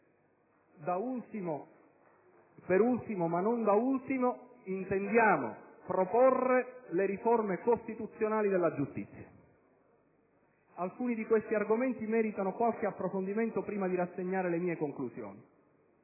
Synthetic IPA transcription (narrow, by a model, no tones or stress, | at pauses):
d̪aut̪mo | peɾult̪imomanond̪ault̪imoint̪end̪jaːmo̰pɾoporːeleɾiformekost̪it̪ut̪sːjonaːlid̪elːad͡ʒust̪ḭt̪sːja | alkuːnid̪ikwest̪iarɡoment̪imɛːɾit̪anokwalk̟eapːɾofond̪iment̪opɾiːmad̪iɾasːeɲːaːɾelemiːekoŋklusjo̰ːni